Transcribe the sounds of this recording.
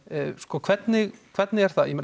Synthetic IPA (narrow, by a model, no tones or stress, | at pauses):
skɔkʰv̥ɛt̪nɪɣkʰvɛt̪nɪɣɛɾ̥θajɛmɪn